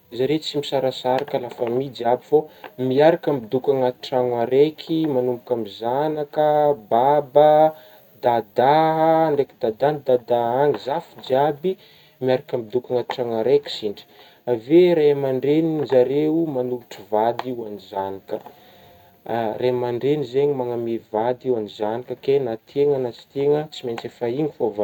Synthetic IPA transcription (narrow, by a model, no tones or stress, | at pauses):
zaɾet͡simisaɾasaɾakalafəmid͡ʒiabifomiaɾakambid̪ukaŋat̪ʈ͡ʂaŋaɾekʰimanumbukʲamizanakəbabə | d̪ad̪aɦəɳɖ͡ʐekid̪ad̪anid̪ad̪aaŋizafid͡ʒiabi | miaɾakamid̪ukaŋaʈ͡ʂaŋəɾeki̥siɳɖ͡ʐi̥ | aveɾemaɳɖ͡ʐenizaɾeumanuluʈ͡ʂivad̪iwanizanikə | remaɳɖ͡ʐenizeɲimaŋamevad̪iwanizanikəkenat̪ʰeŋənat͡si̥t̪eŋət͡siment͡sefaiŋifova